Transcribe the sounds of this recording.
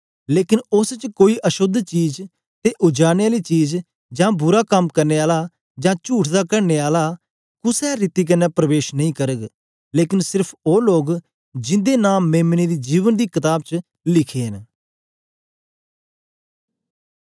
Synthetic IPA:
leːkɪnʊst͡ʃkoːiːʔəʃʊd̪ʱt͡ʃiːz | t̪eːʔʊd͡ʒaːñeaːliːt͡ʃiːz | d͡ʒãːbʊɾaːkəmkəɾneːaːlaː | d͡ʒãːt͡ʃuːʈʰd̪aːkəɾneːaːlaː | kʊsɛːɾiːt̪iːk̬ənɛːpɾəʋeːʃnəɦĩːkəɾəɡ | leːkɪnsɪɾpʰoːloːɡ | d͡ʒɪ̃nd̪eːnãːmeːmniːd̪iːd͡ʒiːʋənd̪iːkɪt̪aːb̚t͡ʃ | lɪkʰeːɦən

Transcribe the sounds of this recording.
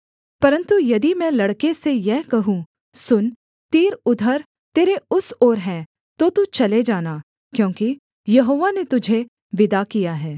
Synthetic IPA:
pɐɾə̃nt̪ujɐd̪imɛ̃ːlɐɽkesejɛɦkɐɦũ | sʊn | t̪eːɾʊd̪ʱəɾ | t̪eːɾeʊsɔːɾɦɛ̃ː | t̪ot̪ut͡ʃɐled͡ʒaːnaː | kjõːki | jɐɦoːʋanet̪ʊd͡ʒʱe | ʋɪd̪akijaɦɛː

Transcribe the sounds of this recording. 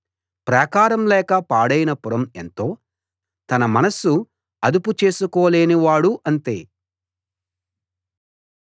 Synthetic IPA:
pɾɐkaːɾɐmlɛːkɐpaːɽɐjinɐpuɾɐme̞nt̪o̞ː | t̪ɐnɐmɐnɐsu | ɐd̪uput͡ʃe̞ːsukoːleːniʋaːɽuʔɐnt̪ḛː

